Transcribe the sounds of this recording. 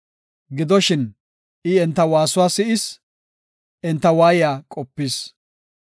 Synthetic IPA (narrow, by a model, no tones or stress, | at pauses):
ɡɪd̪ɔʃɪn | ʔɪɛnt̪ːɐwaːsʊwaːsɪʔɪs | ʔɛnt̪ːɐwaːjɪjaːkʼɔpːiːs